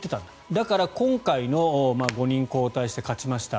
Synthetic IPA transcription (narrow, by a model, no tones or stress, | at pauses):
t̪e̞t̪ãnd̪̥ad̪akaɾakõ̞ŋkaino̞maɡo̞ɲ̟ĩŋko̞ːt̪aiɕi̥t̪e̞kat͡ɕimaɕi̥t̪a